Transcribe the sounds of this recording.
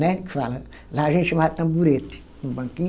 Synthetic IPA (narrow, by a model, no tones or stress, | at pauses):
nɛkɪ̥falɐ | laːʒẽnt̪ʃɐ̃mad̪t̪ɐ̃mbuɾet̪ɪ̥ | ũbɐ̃ŋkĩɲ